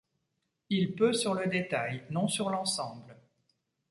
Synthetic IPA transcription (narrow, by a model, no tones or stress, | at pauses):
ilpøsyʁləd̪et̪ajnɔ̃syʁlɑ̃sɑ̃bl